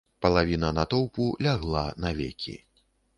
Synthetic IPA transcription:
pɐlˠavʲinɐnɐt̪ɔwpulʲaɣlˠanɐvʲḛkʲʰḭ

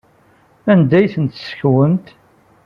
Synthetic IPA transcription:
ænd̪æjθənt̪sçwənt̪

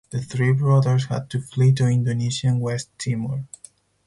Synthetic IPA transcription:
ðəθɹibɹɔðəɹshæ̰d̪̚tuflituɪ̃ndoniʃiãnwɛstʰːiməɹ

